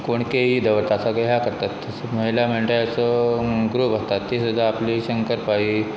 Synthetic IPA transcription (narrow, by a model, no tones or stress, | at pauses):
koɳkeɦid̪əʋəɾt̪asaɡeɦjakəɾt̪at̪ː | məɦilam̤eɳʈajat͡sɔɡɾupast̪at̪ːisud̪ʱːaːpliːɕəŋkəɾpaiː